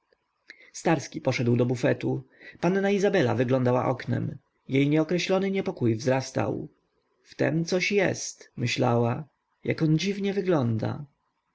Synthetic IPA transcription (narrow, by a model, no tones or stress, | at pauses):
st̪aɾskʲipɔʂɛd̪wd̪ɔbufɛt̪upanːaizabɛla̰vɘɡlɔnd̪awa̰ʔɔknɛ̰m | jejɲɛɔkɾɛɕlɔnɘɲɛpɔkujvzɾast̪a̰w | ft̪ɛ̰mt̪sɔɕjɛ̰st̪mɘɕla̰wa | jakɔnd͡ʑivɲɛvɘɡlɔnd̪a̰